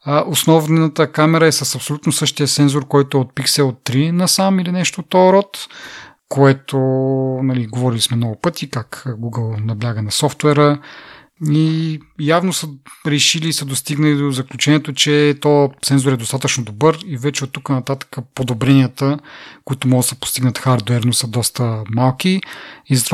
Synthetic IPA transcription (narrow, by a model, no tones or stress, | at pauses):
əʔosnɔvnət̪əkamɛɾəɛsəsɐpsolʲut̪nosɤʃt̪iəsɛnzoɾkɔjt̪oɛot̪̚piksɛlˠot̪ːɾinɐsamilinɛʃt̪ot̪ɔɾɔt̪ | koɛt̪onɐliɡovɔɾilismɛmnɔɡʊpɤt̪ʰikakɡuɡəlˠnɐblʲaɡənɐsɔft̪wɛɾə | ijavnosəɾɛʃiliːsəd̪ost̪iɡnəlid̪ozɐklʲut͡ʃɛniɛt̪ot͡ʃɛt̪ɔt̪sɛnzoɾɛd̪ost̪at̪ət͡ʃnod̪obɤɾivɛt͡ʃɛot̪ːukənɐt̪at̪ə̥kəpod̪obɾɛniət̪əkoit̪omɔɡd̪səpo̥st̪iɡnət̪xaɾd̪wɛɾnosəd̪ɔst̪əmalˠkiizɐt̪v